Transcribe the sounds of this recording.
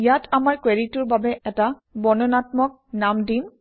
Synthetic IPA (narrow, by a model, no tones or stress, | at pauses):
jatʰamaɹkweɹitʊɹbabɛʔɛta | bɔnɔnatmɔk̚namdim